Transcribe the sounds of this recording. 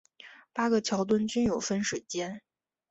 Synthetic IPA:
pa˥ɡə˨t͡ɕʰjɑ˧˥ʊt̪wə˥nt͡ɕy˥njo˨˩ʊfə˥nʂw̩˨˩ɪt͡ɕjɛ˥n

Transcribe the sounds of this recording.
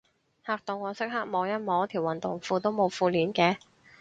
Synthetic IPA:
haː˨k̚t̪ʊ˨ŋːɔː˨˧sɪ˥k̚hɐ˥k̚mɔː˨˧ŋjɐ˥t̚mɔː˨˧˥t̪ʰiː˨˩wɐ˨nt̪ʊ˨ŋfuː˧t̪o˥wmo˨˧wfuː˧liː˨˥nkɛː˧

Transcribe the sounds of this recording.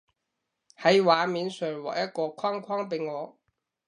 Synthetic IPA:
hɐ˨˥jwaː˨˧miː˨˧nsœː˨˩ŋwa̰˨˩jɐ˥t̚kɔː˧kʷʰwaː˥ŋkʰaː˥ŋpe˨˧ŋŋɔː˨˧

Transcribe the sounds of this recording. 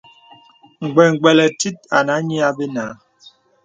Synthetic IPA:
ŋ̩˨ɡ͡bɛ˨ŋ̩˨ɡ͡bɛ˨lɛ˨ti˦t̚a˨na˨˦ɲi˦a˦be˦na˨˦

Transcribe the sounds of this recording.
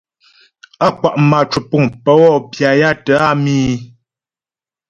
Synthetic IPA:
a˦kwa˨ʔma˨t͡ʃu˨pu˦˨ŋpə˦wɔ˦˨pja˨ja˦tə˨˦a˦miː˦

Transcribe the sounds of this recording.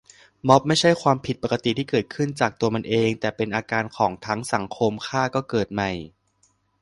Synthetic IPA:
mɔ˦˥p̚ma˥˩jt͡ɕʰa˥˩jkʰwaː˧mpʰi˨˩t̪̚pa˨˩ka˧t̪i˨t̪ʰiː˥˩kɤː˨˩t̪̚kʰɯ˥˩nt͡ɕaː˨˩k̚t̪u˧ɐma˧nʔeː˧ŋt̪ɛː˨˩pe˧nʔaː˧kaː˧nkʰɔː˩˦ŋt̪ʰa˦˥ŋsa˩˦ŋkʰo˧mkʰaː˥˩kɔː˥˩kɤː˨˩t̪̚ma˧˩j

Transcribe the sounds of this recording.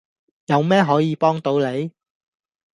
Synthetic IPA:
jɐ˨˧wmɛː˥ɦɔː˨˥jiː˨˧pɔː˥ŋt̪o˨˧wle˨˧j

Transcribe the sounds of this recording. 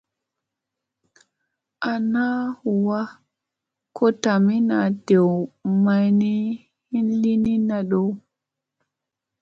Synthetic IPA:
ʔa˨na˦hu˨wa˦ | kʰo˦ta˨mi˦na˨de˨wma˦jni˦ | hi˦nli˦ni˦na˨ɗo˦˨w

